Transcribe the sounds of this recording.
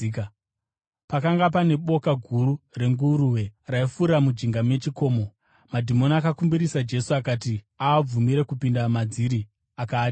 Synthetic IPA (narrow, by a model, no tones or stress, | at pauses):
pakaŋɡapane̞ɓo̞kaɡʱuɾure̞ŋɡuɾuwe̞raifuɾamud͡ʒiŋɡame̞t͡ʃiko̞ːmo̞ | madʱimo̞niakakumbiɾisad͡ʒe̞suakaːt̬i | aːb͡vumiɾekupindamad͡ziɾi | akaːt